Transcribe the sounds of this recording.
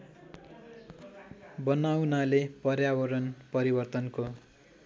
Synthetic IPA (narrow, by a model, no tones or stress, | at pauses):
bʌnawnalepʌrjawʌɾʌnpʌɾibʌrt̪ʌnko